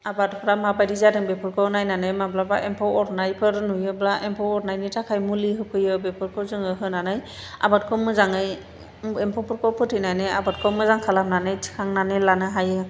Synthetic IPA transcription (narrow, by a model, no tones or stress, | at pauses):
abatpʰɾamabajdizadɯŋbɛpʰɯɾkʰɔɔnajnanɯjmablabaʔempʰɔwɔɾnajpʰɯɾnujɯblaʔɛmpʰɔwɔɾnajnitʰakʰajmuliɦɯkʰɯjɯbɛpʰɯɾkʰɔzɯŋɯɦɯnanɯj | a̰bat̚kʰɔmɯzaŋɯj | ɛmpʰɔpʰɔɾkʰɔwpʰɯtʰɯjnajnɯabat̚kʰɔmɯzaŋkʰalamnanɯjtʰi̥kʰaŋnanelanɯɦajɯ